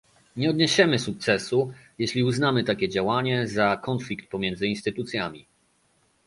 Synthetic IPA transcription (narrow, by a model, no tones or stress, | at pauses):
ɲɛɔd̪ɲɛɕɛmɘsuk̚t̪sɛsujɛɕlʲiuznamɘt̪akʲɛd͡ʑawaɲɛzakɔnflʲikt̪̚pɔmʲjɛnd̪zɘinst̪ɘt̪ut̪sʲjamʲḭ